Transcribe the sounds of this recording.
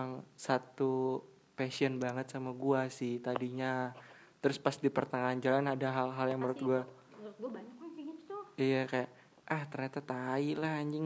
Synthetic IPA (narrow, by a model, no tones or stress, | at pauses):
ŋsat̪u | pasiənbaŋət̪̚samaɡuasɪht̪adiɲa | t̪əɾʊspasdipərt̪aŋand͡ʒalanadaɦalɦaljaŋməɾʊt̪̚ɡua | ɡ̪ | ijakajaʔ | ʔaht̪ərɲat̪at̪ailahaɲd͡ʒɪŋ